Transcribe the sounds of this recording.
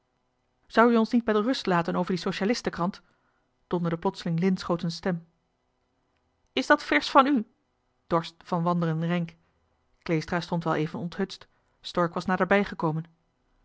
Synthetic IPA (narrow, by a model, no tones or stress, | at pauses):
z̥ɑwyɔnsnit̚bɛdərɵstlaːtənowvəɹdisowʃalɪstəkrɑnt | d̥ɔndədəplɔtsəlɪŋlɪnsχowtənstɛm | ɪsdɑtfɛɹsfɑny | d̥ɔɹstfɑnʋɑndərənrɛŋk | klejstraːstɔntʋɛlˠejvənɔntɦɵtst | stɔɹkʋɑsnaːdəɹbɛjχəkowmən